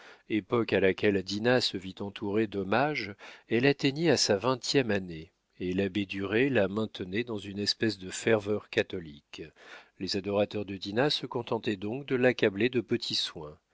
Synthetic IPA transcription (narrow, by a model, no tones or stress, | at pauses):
epɔkalakʲɛld̪inasəvit̪ɑ̃t̪ʰuʁed̪ɔmaʒɛlat̪eɲɛasavɛ̃t̪jɛmane | elabed̪yʁelamɛ̃t̪ənɛd̪ɑ̃zynɛspɛsd̪əfɛʁvœʁkat̪ɔliklezad̪ɔʁat̪œʁd̪əd̪inasəkɔ̃t̪ɑ̃t̪ɛd̪ɔ̃kd̪əlakabled̪əpət̪ʰiswɛ̃